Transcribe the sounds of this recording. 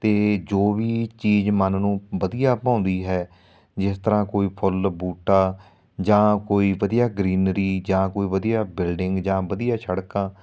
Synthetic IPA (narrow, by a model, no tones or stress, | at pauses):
t̪eːd͡ʒoːʋiːt͡ʃiːd͡ʒmənnũːʋəd̪ijaːpãːnd̪iːɦɛː | d͡ʒɪst̪əɾãːkoːiːpʰʊlbuːʈaː | d͡ʒãːkoːiːʋəd̪ijaːɡɾiːnɾiːd͡ʒãːkoːiːʋəd̪ijaːbɪlɖɪŋɡd͡ʒãːʋəd̪ijaːʃəɽkãː